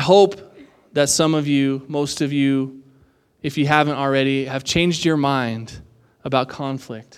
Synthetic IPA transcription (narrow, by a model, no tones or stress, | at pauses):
ɦoʊp | ðɨtsʌ̃mʌvjʉmoʊstʌvjʉ | ɨfjɨɦævɨ̃ntl̩ˠɹɛɾiɨv̥t͡ʃʰẽɪ̃nd͡ʒd͡ʒə˞mãɪ̃nd | əbaʊt̚kʰɑ̃ɱflɪk̚t